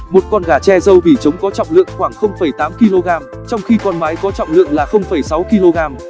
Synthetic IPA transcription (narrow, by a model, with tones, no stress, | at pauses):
mo˨˩t̚kɔ˧nɣaː˧˩t͡ɕɛ˧zə˧wvi˧˩t͡ɕə˨˦wŋ͡mkɔ˨˦t͡ɕɔ̰˧˨wŋ͡mlɨ̰˧˨əŋxwaː˧˩ŋxə˧wŋ͡mfə˧˩jt̪aː˨˦mki˧lo˧ɣaː˧m | t͡ɕɔ˧wŋ͡mxi˧kɔ˧nmaː˨˦jkɔ˨˦t͡ɕɔ̰˧˨wŋ͡mlɨ̰˧˨əŋlaː˨˩xə˧wŋ͡mfə˧˩jsa˨˦wki˧lo˧ɣaː˧m